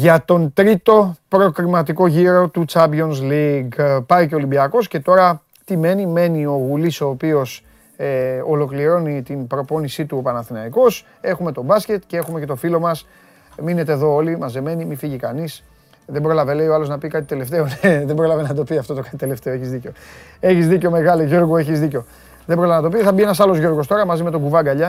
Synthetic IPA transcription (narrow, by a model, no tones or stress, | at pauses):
ʝɐt̪o̞nt̪ɾit̪o̞pɾo̞kɾimɐt̪iko̞ʝiɾo̞t̪ut͡sɐbio̞nsliɡpɐice̞olimbiɐko̞sce̞t̪o̞ɾɐ | t̪ime̞nime̞nio̞ɣuliso̞ːpio̞s | eolo̞kliɾo̞nit̪inbɾo̞po̞nisit̪uopɐnɐθinɐiko̞s | e̞xume̞t̪o̞bɐsce̞t̪cee̞xume̞ce̞t̪o̞filo̞mɐs | mine̞t̪e̞ːðo̞olimɐzeme̞nimifiʝikɐnis | ðe̞bɾo̞lɐvele̞ioɐloznɐpikɐt̪i̥t̪e̞le̞ft̪e̞oneðembɾo̞lɐvenɐt̪o̞piɐft̪o̞t̪okɐt̪it̪ele̞ft̪e̞oe̞çizðiceo̞ | e̞çizðiceo̞me̞ɣɐloʝo̞ɾɣue̞çizðiceo̞ | ðembɾo̞lɐvenɐt̪o̞pit̪θɐbie̞nɐsɐlo̞zʝo̞ɾɣo̞st̪o̞ɾɐmɐzime̞t̪o̞ɡuvɐɡɐʎɐ